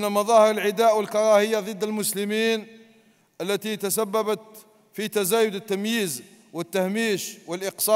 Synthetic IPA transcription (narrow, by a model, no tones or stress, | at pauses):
namɑðˤɑhəɾəlʕɪd̪aːʔwəlkɑɾˤɑhəjːaðˤɨd̪ːəlmʊsləmiːn | ʔəlːæt̪it̪asabːæbət̪ | fit̪azæːjʊd̪ət̪ːamjiːzwət̪ːahmiːʃwəlʔəqsˤɑ